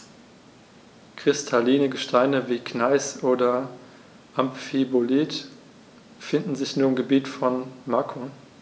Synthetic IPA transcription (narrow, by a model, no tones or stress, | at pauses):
kʁ̥ɪstʰaliːnəɡəʃtʰaɪnəviːkʰnaɪsʔoːdɐ | ʔamfibolit | fɪndn̩zɪçnuːɐɪmɡəbiːtfɔnmakʰo